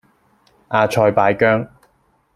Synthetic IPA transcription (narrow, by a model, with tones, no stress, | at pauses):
ʔaː˧t͡ʃʰɔː˧jpaː˨˥jkœː˥ŋ